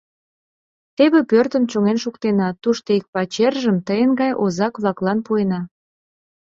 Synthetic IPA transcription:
t̪eβepørt̪əmt͡ɕoŋenʃukt̪enɑt̪uʃt̪oik̚pɑt͡ɕerʒəmt̪əjənɡɑjozɑkβlɑklɑnpuenɑ

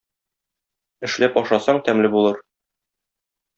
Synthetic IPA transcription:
ɘ̆ʃlæpɒʃɑsɑɴt̪æmlɘbulˠɤɾ

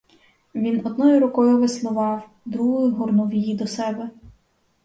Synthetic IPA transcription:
ʋʲinɔd̪̚nɔjʊɾʊkɔjʊʋɪslˠʊʋɑw | d̪ɾuɦʊjʊɦɔrnuʋijid̪ɔsɛbɛ

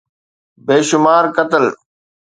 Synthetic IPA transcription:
beːʃʊmaːɾkət̪əl

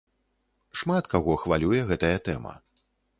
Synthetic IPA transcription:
ʂmat̪kaɣɔxvalʲujɛɣɛt̪ɐjɐt̪ɛmɐ̰

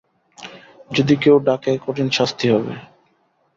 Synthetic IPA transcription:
d͡ʑod̪ikewɖakekoʈinʃast̪ʰiɦɔbḛ

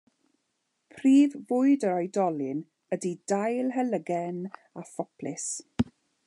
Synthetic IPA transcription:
pʰriːvːʊɨdəɾajdɔlɪn | ədidajlˠɦələɡɛn | afɔpʰlɪs

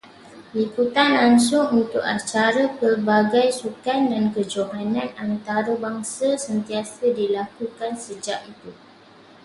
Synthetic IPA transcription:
liput̪anlaŋsʊŋunt̪ʊkat͡ʃaɾapərbaɡajsukandankəd͡ʒoɦanãnant̪aɾəbaŋsasənt̪iasadilakukansəd͡ʒaʔit̪u

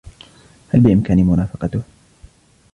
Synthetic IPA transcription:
halbɪʔɪmkaːnimʊnaːfɑqɑt̪ʊh

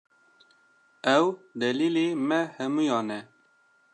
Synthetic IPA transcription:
ɛwd̪ɛliːleːmɛhɛmuːjɑːnɛ

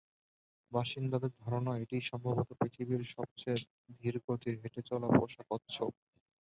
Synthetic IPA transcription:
baʃind̪ad̪eɾd̪ʱɔɾonɔeʈiʃɔmbʱobot̪opɾit̪ʰibiɾʃɔb̚t͡ɕe | d̪ʱiɾɡot̪ʰiɾɦeʈet͡ɕɔlapo̰ʃakotːɕʰo

